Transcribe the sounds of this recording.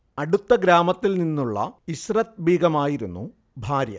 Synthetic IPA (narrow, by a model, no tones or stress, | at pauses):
ɐɽut̪ːɐɡɾaːmɐt̪ːilninːuɭːɐ̰isrɐt̪̚bʱiːɡɐmaːjiɾunːṵ | bʱaːɾjɐ̰